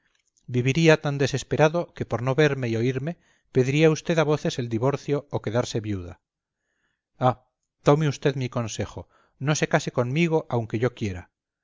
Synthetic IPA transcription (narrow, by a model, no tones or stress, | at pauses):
biβiɾiat̪and̪ese̞spe̞ɾaðoke̞poɾnoβe̞ɾme̞io̞iɾme̞ | peðiɾiaust̪e̞ðaβo̞θe̞se̞ld̪iβo̞ɾθjoːke̞ðaɾse̞βjuða̰ | a | t̪o̞meust̪eðmiko̞nse̞xo | no̞se̞kaseko̞nmiɣ̞o̞ʔawŋkeʝo̞kjeɾa̰